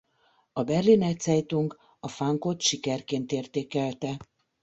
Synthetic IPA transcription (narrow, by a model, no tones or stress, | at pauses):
ɒbɛrlinɛt̪sɛjt̪uŋk | ɒfaŋko̞t̪ʃikɛrkeːnt̪eːrt̪eːkɛlt̪ɛ